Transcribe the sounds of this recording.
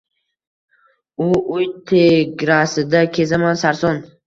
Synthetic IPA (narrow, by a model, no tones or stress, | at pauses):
ʊʊjt̪ʰeɡʲɾasɪd̪akʲʰe̞zamansaɾsɒn